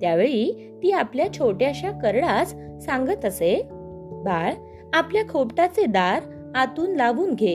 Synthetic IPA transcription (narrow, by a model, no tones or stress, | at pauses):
t̪jaʋeɭiː | t̪iːapljat͡ɕʰoʈjaɕjakəɾɭat͡sːãŋɡət̪əse | bʱaɭ | apljakʰopʈat͡sed̪aɾ | at̪uːnlaʋuːnɡʱe